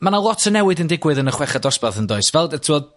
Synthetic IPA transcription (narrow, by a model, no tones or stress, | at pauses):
manalˠɔtʰənɛwɨdəndɪɡwɨðənəχwɛχadɔsbaθəndɔɨsvɛlˠdətʰɪwɔd